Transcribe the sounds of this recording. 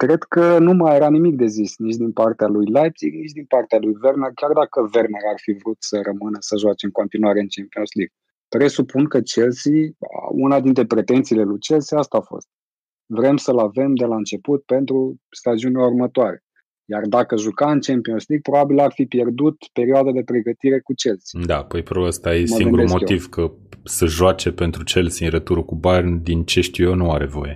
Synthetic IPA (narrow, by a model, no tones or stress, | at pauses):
kɾe̞d̪kənumajeɾanimik̚d̪e̞zisnit͡ʃd̪inpart̪ealujlajt̪iɡnit͡ʃd̪inpart̪ealujve̞rnerkʲjard̪akəve̞rneɾarfivɾut̪səɾəmɨnəsəʒoat͡ʃeɨŋko̞nt̪inuaɾe̞ɨnt͡ʃempionsliɡ̥̚ | pɾe̞supunkət͡ʃe̞lsḭunad̪int̪ɾe̞pɾe̞t̪e̞nt̪sile̞lut͡ʃe̞lsiast̪aːfo̰st̪̚ | vɾe̞msəlave̞md̪e̞laɨnt͡ʃe̞put̪̚pe̞nt̪ɾu | st̪ad͡ʒiunʲlaurmət̪oaɾe̞̰ | jard̪akəʒukaɨnt͡ʃempionsliɡ̚pɾo̞babilarfipje̞rd̪ut̪pe̞ɾioad̪ad̪e̞pɾe̞ɡət̪iɾe̞kut͡ʃe̞lsi̥d̪apəjpɾobəst̪ajesmaiŋeuɾumo̞ivkəsəʒwat͡ʃe̞pe̞nt̪ɾut͡ʃe̞lsiɨnɾet̪uɾəkubarʲd̪int͡ʃe̞ʃt̪ijonuaɾe̞vo̞̰je̞